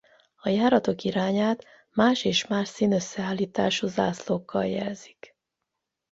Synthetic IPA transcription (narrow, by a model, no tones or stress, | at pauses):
ɒjaːɾɒt̪o̞kiɾaːɲaːt̪ | maːʃeːʃmaːʃsiːnøsːɛaːlːiːt̪aːʃuza̰ːslokːɒ̰ljɛ̰lzi̥k